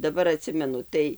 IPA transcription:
dɐˈbɐr ɐˈtʲsʲɪmʲɛnʊ ˈtɐɪ

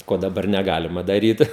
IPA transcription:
ˈkoː dɐˈbɐr nʲɛˈɡɑːlʲɪmɐ dɐˈrʲiːt

